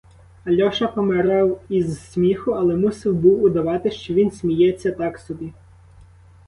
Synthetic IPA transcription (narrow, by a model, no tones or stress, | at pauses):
ɐlʲɔʃɐpɔmeɾɑwizsmʲixʊɐlˠɛmusɪwbuwʊd̪ɐʋɑt̪ɪʃt͡ʃɔʋʲinsʲmʲijɛt͡sʲːɐt̪ɑksɔbʲi